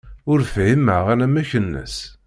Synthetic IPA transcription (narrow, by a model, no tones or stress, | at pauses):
ʊɾfiməʁænæmæçənːə̰s